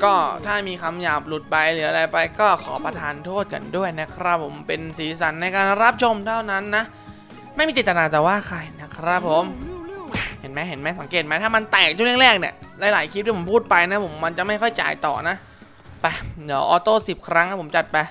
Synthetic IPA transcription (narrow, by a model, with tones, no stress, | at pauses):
kɔː˥˩t̪ʰaː˥˩miː˧kʰa˧mjaː˨˩p̚lu˨˩t̪̚ba˧jɾɯː˩˦ʔa˧a˧jpa˧jkɔː˥˩kʰɔː˩˦pɾa˧t̪ʰaː˧nt̪ʰu˥˩ət̪̚ka̰˧ndu˥˩əjna˦˥kʰɾa˦˥pʰːo˩˦mpe˧nsiː˨˩˦sa˩˦nːa˧jkaː˧nɾa˦˥p̚t͡ɕʰo˧mt̪ʰa˥˩wna˦˥nːa˦˥ʔ | ma˥˩jmiː˧t̪i˨˩t̪t̪ːnaː˧t̪ɛː˨˩waː˥˩kʰa˧jna˦˥kʰɾa˦˥pʰːo˨˦m | he˩˦nmɛː˦˥ɦe˩˦nmɛː˦˥˩sa˩˦ŋkeː˨˩t̪̚ma˦˥t̪ʰaː˥˩ma˧nt̪ɛː˨˩k̪̚ʰu˥˩˨li˥˩ɾɛː˥˩k̚ni˧˩əlaː˧˥jlaː˩˦jkʰːp̪̚ːʰo˨˦pʰuː˥˩t̪̚pa˧jna˦˥pʰo˩˦mːa˧nt͡ɕa˨˩ma˥˩jxʰɔ˥˩jt͡ɕa̰ː˧jt̪ɔ̰ː˨˩na˦˥ʔ | pa˧˩di˦əwʔɔː˧t̪oː˥˩si˨˩p̚kʰɾa˦˥ŋna˦˥˩pʰo˩˦mt͡ɕa˨˩t̪̚pa˧j